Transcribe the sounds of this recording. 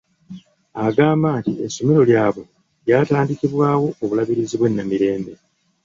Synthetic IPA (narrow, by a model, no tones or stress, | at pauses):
aɡaːmbaːntieso̞meɾo̞ljaːβo̞ | jaːtaːndikiβwaːwo̞ːβulaβiɾiziβwe̞nːamiɾe̞ːmbe̞